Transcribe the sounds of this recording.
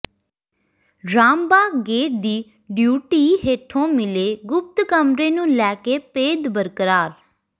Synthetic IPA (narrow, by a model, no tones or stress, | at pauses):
ɖɾaːmbaːɡeːʈ̚d̪iː | ɖjuːʈiːɦeːʈʰõːmɪleːɡʊp̚t̪kəmɾẽːnũːlɛːkeːpeːd̪bəɾkəɾaːɾ